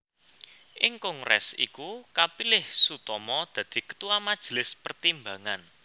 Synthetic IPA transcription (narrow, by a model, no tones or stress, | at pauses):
ʔɪŋkɔŋrɛ̰sḭkukapilɪhsut̪ɔmɔd̪̥ä̤d̪̥i̤kə̥t̪uwamad̥ʒ̥ə̤lɪspərt̪imbaŋan